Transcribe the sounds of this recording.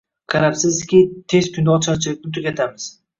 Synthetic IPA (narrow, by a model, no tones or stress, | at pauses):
qʰɑɾapsɪzd̪ɪkʲit̪ʰezkʰʲʊnd̪aːt͡ʃʰaɾt͡ʃʰɪlɪk̚ʲnɪt̪ʰʊɡʲat̪ʰamɪz̥